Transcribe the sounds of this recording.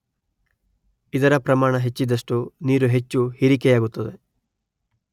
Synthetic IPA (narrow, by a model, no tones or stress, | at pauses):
id̪ɐɾɐpɾɐmaːɳɐɦe̞t͡ʃːid̪ɐʂʈuniːɾuɦe̞t͡ʃːuhiɾikɛjaːɡut̪ːɐd̪e̞